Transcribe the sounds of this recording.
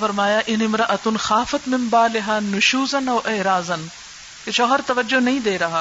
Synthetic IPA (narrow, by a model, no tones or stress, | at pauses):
fɐɾmaːjaʔɪnɪmɾɐʔɐt̪ʊnxaːfɐt̪mɪmbaːlɪɦanʊʃuːzɐnɐːʔɐːɾaːzɐn | keʃɔːɦɐɾt̪ɐʋɐd͡ʒːonɐɦĩd̪eːɾɐɦaː